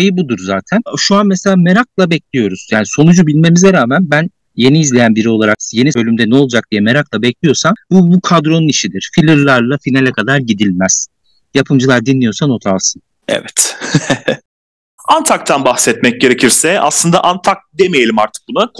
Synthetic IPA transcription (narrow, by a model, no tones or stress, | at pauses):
ejibud̪uɾzaːt̪ʰænʃuanmese̞lʲaːme̞ɾaklˠabɛclʲijo̞ɾuz̥jaːniso̞nud͡ʒubilʲme̞mizɛɾaːmænbæn | je̞niːzlʲe̞jænbiɾio̞lˠaɾakje̞nibø̞lʲymd̪ɛnɛo̞lˠd͡ʒak̚d̪ijɛme̞ɾaklˠabɛclʲijo̞ɾsanbubukʰad̪ɾo̞nuniʃid̪iɾ̥filʲɯɾlˠaɾlˠafinalʲɛkʰad̪aɾɟid̪ilʲmæz̥ | japʰɯmd͡ʒɯlˠaɾd̪inlːʲijo̞sano̞t̪ʰalˠsɯn | ɛ̰vɛt̪ | ant̪ʰak̚t̪ʰanbaxsɛt̪mɛc̚ɟe̞ɾe̞cʰiɾsɛa̰slˠɯnd̪a̰ʔant̪ʰak̚d̪emejelʲimaɾt̪ʰɯ̥k̚bunak